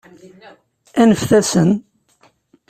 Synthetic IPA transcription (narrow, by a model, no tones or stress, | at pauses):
ænəfθæsən